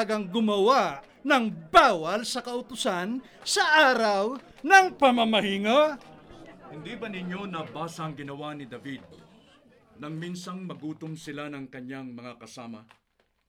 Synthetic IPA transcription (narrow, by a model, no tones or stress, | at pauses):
ɡɐŋɡʊmɐwaʔ | nɐŋbaːwɐlsɐkɐʔʊt̪ʊsan | sɐʔaːɾɐw | nɐŋpɐmɐmɐhiŋa | hɪnd̪ibɐnɪɲːo̞nɐbaːsɐːŋɡɪnɐwanɪd̪ɐvid̪̚ | nɐŋminsɐŋmɐɡuːt̪ʊmsɪlanɐŋkɐɲːaŋmɐŋakɐsaːmɐ̰